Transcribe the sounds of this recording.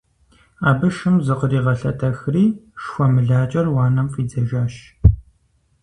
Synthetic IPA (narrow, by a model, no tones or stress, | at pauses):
aːbɨʃɨmzɨqəriːʁɐɬɐtʰɐxriːʃxʷɔmɨɮaːt͡ʃʼɐrwaːnɐmfʼiːd͡zɐʒaːʃ